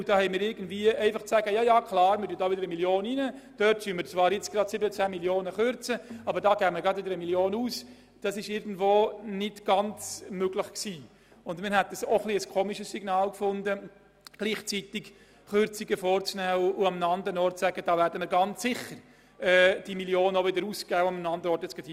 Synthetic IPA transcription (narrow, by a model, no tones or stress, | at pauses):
ʊd̥ɑːhɛɪmɪːɾɪɾɡən̩dviːəɛɪfɑχt͡sæːɡəjɑːjɑːkʰlɑːɾmɪɾdyədɑːʋɪdəɾəmiljoːninəd̥œtsymɪt͡svɑːɾjɪt͡sɡ̥rɑd̥sɪbənət͡sæːmiljoːnəχʏɾt͡səɑbəɾdɑːɡ̥ɛːmɪɡɑdvɪdəɾəmiljoːnuːs | d̥ɑsɪʃɪɾɡn̩dvoːnɪtɡ̥ɑnt͡smøɡlɪχksiː | ʊndmɪːɾɦɛtəsoχliəskʰoːmiʃəsːiɡnɑːlkfʊndə | ɡ̥liːχt͡sitɪk | χʏɾt͡siɡəfoːɾt͡snæːʊʔʊɑmnɑndɾənɔɾtsæɡ̥əd̥ɑːvæːɾdəməɾɡɑnt͡sːɪχəɾ | ɛːd̥imiljoːnəoʋɪdəɾuːskæːʊamənɑndəɾəɔɾtət͡sɡ̥edi